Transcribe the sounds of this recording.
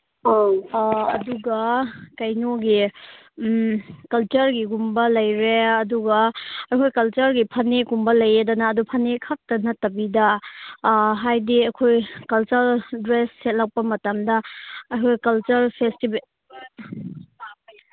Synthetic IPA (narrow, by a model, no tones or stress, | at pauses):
duɡɐkɐjnoɡi | kɐlt͡ʃɐɾɡiɡumbɐlɐjɾeɐduɡɐɐkʰojkɐlt͡ʃɐɾɡipʰɐnekumbɐlɐjedɐnɐːdupʰɐnekʰɐk̚tɐnɐtɐbidɐ | ɦajdiɐkʰojkɐlt͡ʃɐɾdɾesːet̚lɐk̚pɐmɐtɐmdɐɐkʰojɡɐkɐlt͡ʃɐɾpʰestib